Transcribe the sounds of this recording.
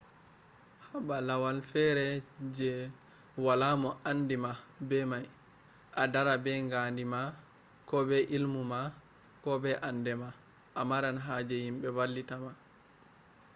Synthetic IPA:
habalawalfɛɾɛd͡ʒɛ | walamɔʔanːdimabɛmaj | ʔadaɾabɛŋɡandima | kɔbɛʔilmuma | kɔbɛʔandɛma | ʔamaɾanɦad͡ʒɛhimɓɛwalːitama

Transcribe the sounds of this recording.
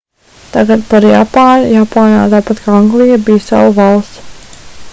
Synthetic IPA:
t̪aɡat̪̚paɾja̰paːnjapaːna̰ːt̪aːpat̪kʰaːaŋɡlˠijabijsa̰wuvalˠst̪

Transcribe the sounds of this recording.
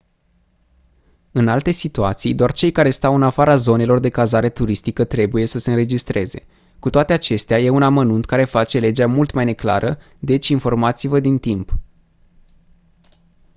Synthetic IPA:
ɨnalt̪e̞sit̪uat̪sijd̪oart͡ʃe̞jkaɾe̞st̪awɨnafaɾazo̞ne̞lo̞rd̪e̞kazaɾe̞t̪uɾist̪ikət̪ɾe̞buje̞səse̞ɨnɾe̞d͡ʒist̪ɾʔe̞ze̞̰ | kut̪oat̪e̞at͡ʃe̞st̪eaje̞unamənunt̪kaɾe̞fat͡ʃe̞le̞d͡ʒeamult̪majne̞kla̰ɾʔə | d̪e̞t͡ʃʲinfo̞rmat̪sivəd̪int̪imp

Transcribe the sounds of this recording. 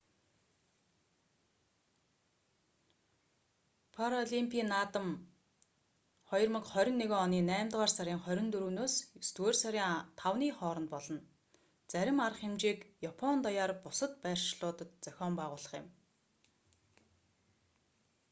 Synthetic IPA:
pʰaɾɔɮimpʰiːnːaːt̪ə̆m | χɔjɞ̆rmə̆kχœɾʲɪ̆nːeɣeːɔniːnæːmt̪ʁaːrsaɾʲiːŋχœɾʲɪ̆nt̪ɵɾuːnoːsst̪weːrsœɾʲiːŋt̪ʰawniːχɔːɾɞ̆nt̪pɔɮɞ̆n | t͡sæɾʲɪ̆marə̆χxemt͡ɕiːkjapʰɔnt̪ɔjaːrpʊsə̆t̪pæːr̥ʃɮʊːt̪ə̆t̪t͡sœxʲɔːmpæːʁʊːɮə̆χjɪ̆m

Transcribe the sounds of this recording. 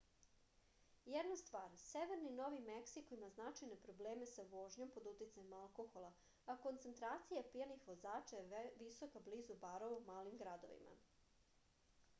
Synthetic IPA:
jɛd̪nast̪ʋaːɾseʋeɾnino̞ʋimeksikoimaznat͡ʃajne̞pɾo̞bleːme̞saʋoʒɲo̞mpo̞d̪ut̪it̪saɲemalˠko̞xo̞lˠa | ako̞nt̪sent̪ɾaːt̪sijapijanixʋozaːt͡ʃajeʋiso̞kabliːzubaɾoʋumaːlimɡɾad̪o̰ʋḭma̰

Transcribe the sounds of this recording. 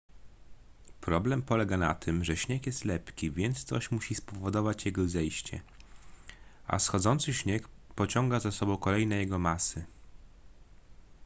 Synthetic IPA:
pɾɔblɛmpɔlɛɡana̰t̪ʰɘmʐɛɕɲɛkjɛst̪lɛpkʲivʲjɛnt̪st̪ɔ̰ɕmuɕispɔvɔd̪ɔvat͡ɕjɛɡɔzɛjɕt͡ɕɛ̰ | ʔa̰sxɔd̪zɔnt̪sɘɕɲekpɔt͡ɕɔŋɡazasɔbɔ̃w̃kɔlɛjnɛjɛɡɔmasɘ

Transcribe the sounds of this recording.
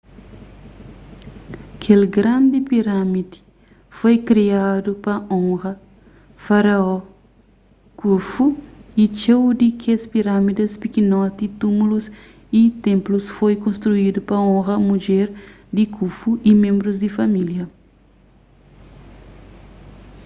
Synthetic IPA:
kʰelɡɾãnd̪ipiɾãmid̪i̥ | fojkɾiad̪upɐõŋɣɐ | faɾaɔ | kufuit͡ʃewd̪ikʰespiɾamid̪ɐspikinɔt̪it̪umulus | it̪ẽmplusfojkõnst̪ɾuid̪upɐõɣɐmud͡ʒɛɾ | d̪ikʰufuʔimẽmbɾuzd̪ifɐmiljɐ

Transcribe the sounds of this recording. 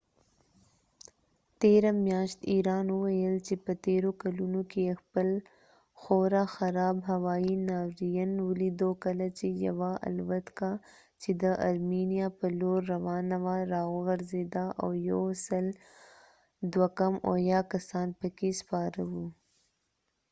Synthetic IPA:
t̪eɾamjɑːʃt̪iɾɑːnuwɐjəlt͡ʃepət̪eɾokɐlunokeexpəl | xoɾaxɐɾɑːbɦɐwaːinaːwɾijənwʊlid̪okɐlat͡ʃejɐ̰waʔa̰lwɐt̪ka | t͡ʃed̪əʔa̰ɾminijapəloːɾːɐwɑːnawaɾaoɣɐɾzed̪aʔa̰wjosəl | d̪wakɐmo̰jakɐsɑːnpəkespɑːɾawu

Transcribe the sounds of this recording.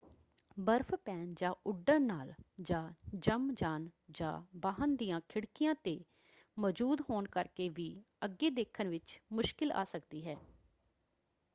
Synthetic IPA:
bəɾpʰpɛːnd͡ʒãːʔʊɖənaːld͡ʒãːd͡ʒəmd͡ʒaːnd͡ʒã̰ːbaːɦənd̪ijãːkʰɪɽkɪjãːt̪eː | mɔːd͡ʒuːd̪ɦoːnkəɾkeːʋiː | əɡːeːd̪eːkʰːənʋɪt͡ʃmʊʃkɪla̰ːsəkd̪iːɦɛː

